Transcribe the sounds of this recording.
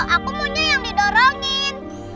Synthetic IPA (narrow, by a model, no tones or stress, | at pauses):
ʔakumuɲd͡ʒajaŋdidɔɾɔŋɪn